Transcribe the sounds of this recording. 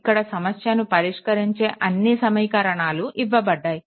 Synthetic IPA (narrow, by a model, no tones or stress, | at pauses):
kːɐɽɐsɐmɐsjɐnupɐɾiʂkɐɾiɲt͡ʃe̞ːʔɐnːisɐmɐjkɐɾɐɳaːluʔiʋːɐbɐɖːaːji